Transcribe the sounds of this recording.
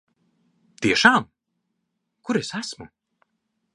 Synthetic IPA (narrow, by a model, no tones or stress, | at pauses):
t̪iɛʃaːm | kuɾesæsmu